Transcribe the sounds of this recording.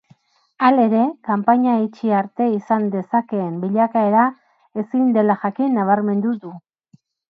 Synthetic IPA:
ale̞ɾe̞kampaɲait͡ʃiaɾt̪e̞isand̪e̞sake̞ːmbiʎakae̞ɾa | e̞sind̪e̞laʝakinːaβ̞aɾme̞nd̪uðu

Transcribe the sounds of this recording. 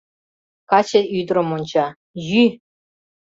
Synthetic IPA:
kɑt͡ɕɘ̆yd̪ɾɤ̆munʲt͡ɕɑ | jy

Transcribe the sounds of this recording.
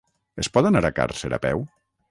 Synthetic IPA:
espɔðanaɾaka̰ɾseɾa̰pɛw

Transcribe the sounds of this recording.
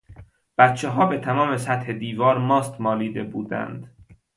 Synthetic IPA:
b̥æt̪t͡ʃʰeɦɒːbet̪ʰæmɒːmesæt̪he̞d̪iːvɒːɾmɒːst̪mɒːliːd̪ebuːd̪æ̰nd̪̥

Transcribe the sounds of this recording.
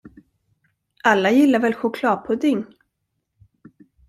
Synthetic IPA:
ʔalːajɪlːaɾvɛlɧʊkʰlɑːpʰɔd̪ɪŋ

